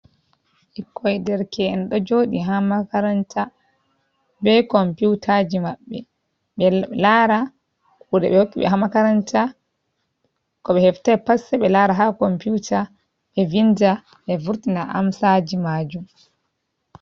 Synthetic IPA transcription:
ʔɛkʰːɔjdɛɾkɛɛnɗɔd͡ʒoːɗiɦamakaɾantʰa | bɛkɔmputʰad͡ʒimaɓːɛ̰ | ɓɛlaɾa | kuɗɛ̰ɓɛhokːiɓɛ̰ɦamakaɾanta | kɔɓɛhɛftajpasɛɓɛlaɾaɦakomputa | ɓɛvinda | ʔɛvuɾtinaʔa̰msad͡ʒimaːd͡ʒum

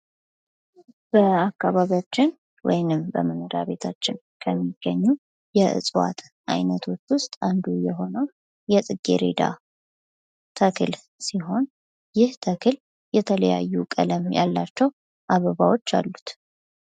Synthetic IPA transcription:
b̥əakːaβaβiat͡ʃːɪn | wɔ̰jnɨmbə̰mɨnɨd̪aβe̞t̪ʰat͡ʃːɪn | kʰəmːiɡ̥ːəɲːu | jɛʔɨ̰sʼwa̰t̪ | ʔa̰jnət̪ʰo̞t͡ʃːwʊst̪ʼand̪ujɛɦo̞nəw | jɛsʼɨɡːe̞̰ɾe̞̰d̪a̰ | t̪ʰəkʰɨl | siɦo̞n | jɪht̪ʰəkʰɨl | jɛt̪ʰələja̰jːukʼələmja̰lːat͡ʃːɛw | ʔaβəβawo̞t͡ʃːa̰lːut̪

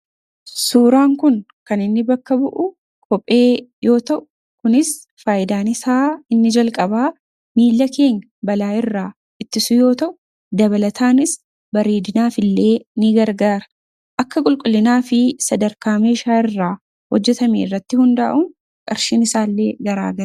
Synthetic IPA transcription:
suːɾaːŋkʊn | kɐnɪnːɪbɐkːɐbʊʔʊ | kʰɔpʼːe̞ːjo̞ːt̪ɐʔʊ̥ | kʊnɪs | faːjɪd̪aːnɪsaːɪnːɪd͡ʒɐlkʼɐbaː | miːlːɐkʰe̞ːŋɐbɐlaːɪrːaː | ɪt̪ːɪsʊjo̞ːt̪ɐʔʊ | d̪ɐβɐlɐt̪ʰaːnɪs | bɐɾeːd̪ɪnaːfɪlːe̞ːnɪɡɐɾɡaːɾɐ̥ | ʔɐkːɐkʼʊlkʼʊlːɪnaːfɪsɐd̪ɐɾkaːmeːʃaːɪrːaː | hɔd͡ʒːɛt̪ɐmḛɪrːɐt̪ːɪhʊnd̪a̰ːʔʊŋ | kʼɐɾʃiːnɪsaːlːe̞ːɡɐɾa̰ːɡɐɾ

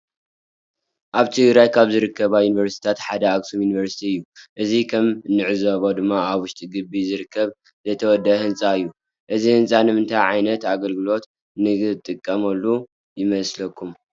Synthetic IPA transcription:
ʔaβt̪ʰɨɡɾajkʰaβzɨɾɨkʰːɐβajunivɐɾst̪i̥t̪ʰat̪ħad̪ɐaksumjuniβɐɾsi̥t̪ʰiɨjːuʔɨzikʰɐmnːɨʕɨzoβod̪ɨmːaaβwʊʃt̪ʼiɡɨbizɨɾɨkʰːɐβ | zɐt̪ʰɐwɔd̪ːɐhɨnt͡sʼaɨjːu | ʔɨzihɨnt͡sʼanɨmɨnt̪ʰajʕajnɐt̪aɡɐlɡɨlo̞t̪ | nɨt̪ʼɨkʼːɐmɐlːu | jɪmɐslɐkʰːum

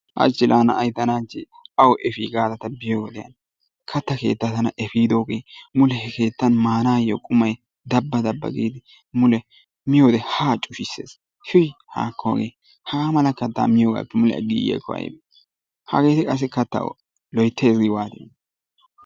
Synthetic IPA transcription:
ʔɐ̰t͡ʃːɪlʔaːnɐ̰ɐjt̪ːɐnaːt͡ʃːɪ | ɐwʔɛfiːɡaːd̪ɐt̪ɐbɪjowɔd̪ɛjɐ̰n | kʰɐt̪ːɐke̞̰ːt̪ːɐt̪ɐnɐʔɛfiːd̪oːɡḛːmʊlɛhɛke̞ːt̪ːɐnmaːnaːjo̰ːkʼʊmɐj | d̪ɐbːɐd̪ɐbːɐ̰ɡḭːd̪ɪ | mʊlɛ | mɪjoːd̪ɛhaːt͡ʃʼʊʃɪsːḛːs | ʃʊjha̰ːkʰːoːɡḛː | hɐɡaːmɐlɐkːɐt̪ːa̰ːmɪjoːɡa̰pːɛmʊlɛ̰ɐ̰ɡḭːjḛkːɔɐ̰j̰b | hɐ̰ɡe̞ːt̪ɪkʼɐs̬ːɪkɐt̪ːɐ̰w̰ | lɔjt̪ːeːsɡɪwaːt̪ɪjɐn

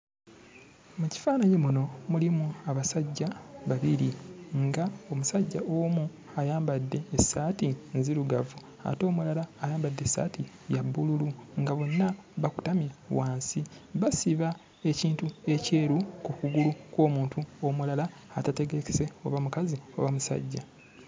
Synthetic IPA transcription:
muci̥faːnajemuno̞mulimuaβasaɟːaβaβiɾiŋɡao̞musaɟːaʔomu | ajaːmbadːe̞ːsaːtinziɾuɡavu | a̰to̞ːmulalaːjaːmbadːe̞sa̰ːti | jabːululuŋɡaβo̞nːaβaku̥tamjawaːnsiβasiβa | eciːntue̞ce̞ːɾukukuɡulukwo̞ːmuːntuomulalaː | tate̞ɡe̞ke̥se̞o̞̰βamukazio̞̰βamusa̰ɟːa̰

